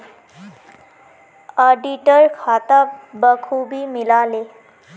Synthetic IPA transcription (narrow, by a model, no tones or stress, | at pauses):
əɖiʈəɾkʰat̪abəkʰubiːmilale